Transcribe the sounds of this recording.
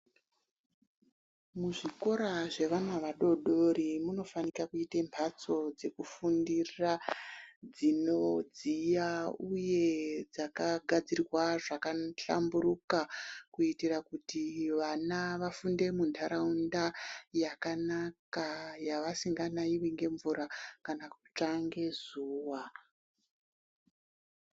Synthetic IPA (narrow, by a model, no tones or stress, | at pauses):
muʐiko̞ɾaʐe̞ʋanaʋaɗo̞ɗo̞ɾimuno̞fanikakuitempʰat͡so̞d͡ze̞kufundira | d͡zinod͡zijauje̞d͡zakaɡʱad͡zirirwaʐakaɬa̰mbuɾukakuitirakutiʋanaʋafunde̞mundʰaɾaundajakanakajaʋasiŋɡanaiʋiŋɡe̞ɱvuɾakanaku̥t͡ʂaŋɡe̞zuːwa